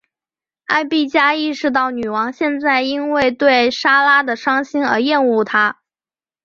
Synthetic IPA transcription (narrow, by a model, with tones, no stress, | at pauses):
a˥˧ɪpi˥˩t͡ɕja˥i˥˧ʂɻ̩˧t̪̬ɑ˥˩ʊny˨˩wɑ˧˥ŋɕjɛ˥˧nt͡sa˥˩ɪi˥nwe˥˧ɪt̪we˥˩ɪʂa˥la˥d̪ə˨ʂɑ˥ŋɕi˥nə̰˞˧˥jɛ˥˧nu˥˩t̪ʰa˥